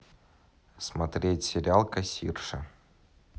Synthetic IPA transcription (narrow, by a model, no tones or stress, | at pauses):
smɐt̪ɾʲetʲsʲɪɾʲɪalˠkɐsʲḭrʂə